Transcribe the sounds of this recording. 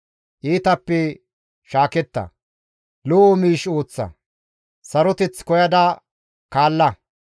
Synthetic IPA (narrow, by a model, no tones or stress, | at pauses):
ʔiːt̪ɐpːɛ | ʃaːkɛt̪ːɐ̰ | loomiːʃo̞ːt͡sːɐ̰ | sɐɾɔt̪ɛt͡skɔjɐd̪ɐ | kaːlːɐ